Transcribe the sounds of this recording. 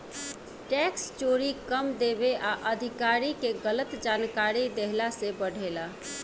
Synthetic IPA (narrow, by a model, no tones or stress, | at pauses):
ʈɛkst͡ʃoɾikəmd̪ebeʔaʔəd̪ʱikaɾikeɡələt̪d͡ʒankaɾid̪eɦlasebəɽʱela